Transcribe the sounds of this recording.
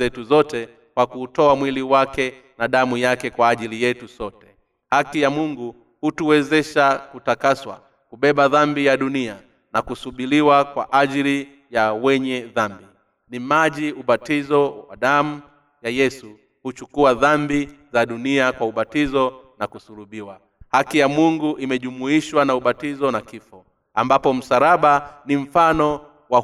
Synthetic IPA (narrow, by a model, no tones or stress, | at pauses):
ɛtuzɔtɛ | kwakuːtɔamwiliwakɛ | naɗamujakɛkwaːʄilijɛtusɔtɛ̥ | hakijamuŋɡu | hutuwɛzɛʃakutakaswa̰ | kuɓɛɓaðambijaɗunia | nakusuɓiliwakwa̰ʔaʄili | jawɛɲɛðambi | nimaʄiuɓatizɔwa̰ɗamu | jajɛsu | hut͡ʃukuaðambizaɗuniakwauɓatizɔnakusuluɓiwa | hakijamuŋɡuʔimɛʄumuiʃwanauɓatizɔnakifɔ | ambapɔm̩saɾaɓanim̩fanɔ | wa